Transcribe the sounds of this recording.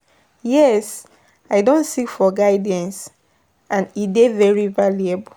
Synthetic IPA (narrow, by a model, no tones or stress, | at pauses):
jɛs | aɪdõntsikfɔɡaɪdãns | ãnidevɛɹivaleb